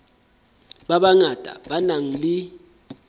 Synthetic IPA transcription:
ɓaɓaŋad̥ʱʼa̰ɓanaŋ̩li

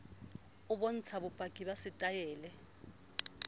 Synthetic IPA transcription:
ʊɓɔn̩t͡sʰaɓʊpʼakʼiɓasɪtʼajɛːlɛ

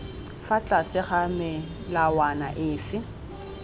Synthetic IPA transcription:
fat͡ɬʼasɪχamɪ | lawanaʔɪːfɪ

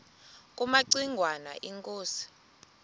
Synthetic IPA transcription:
kʼumaǀiŋɡʱwana̰ʔiŋkʼoːsi̥

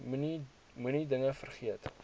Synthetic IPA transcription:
muni | munidəŋəfərχiət

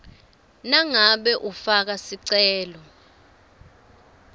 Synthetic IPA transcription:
naŋaɓɛʔufak̬asiǀɛːlɔ

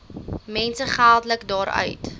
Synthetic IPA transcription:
mɛnsəχælˠdələkdɑːɾœ̰ɥt

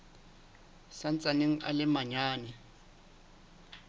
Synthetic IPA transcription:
san̩t͡sʼaneŋ̩a̰lɪmaɲaːnɛ

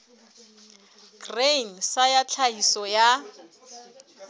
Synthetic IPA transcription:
ɡ̥reŋ̩sajat͡ɬʰaisɔja

